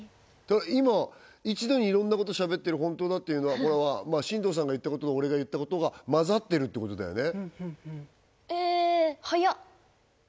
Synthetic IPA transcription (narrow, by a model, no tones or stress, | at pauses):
t̪ad̪aimait͡ɕid̪o̞ɲ̟iːɾõnːako̞t̪oɕabe̞t̪ːeɾɯ̟ɦõ̞nt̪oːd̪at̪ːe̞jiɯ̟no̞βakoɾaβamaɕĩnd̪o̞ːs̬ãŋɡajɯ̟t̪ːako̞t̪od̪o̞ɾe̞ɡajɯ̟t̪ːako̞t̪o̞ɡamazat̪ːe̞ɾɯ̟t̪ːeːko̞t̪o̞d̪a̰jo̞̰ne̞ | ehaja